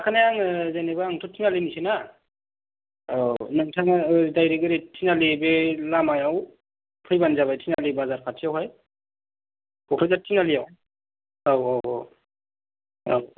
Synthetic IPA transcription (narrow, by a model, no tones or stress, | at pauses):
akʰanajaŋzanebaːŋtʰɔtʰinalinisena | nɯŋtʰaŋdajɾeɡɯɾetʰinalebelamajaw | pʰɯjbanzaβajtʰinalibazaɾpʰatʰijawɦaj | kɔkʰɾɯzatʰːinalijaw | awaw | a̰